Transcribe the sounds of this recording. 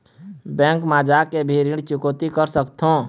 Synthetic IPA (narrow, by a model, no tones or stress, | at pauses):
bɛ̃ŋkmad͡ʒakebʱiɾiɽt͡ʃʊkot̪ikəɾsəkt̪ʰõ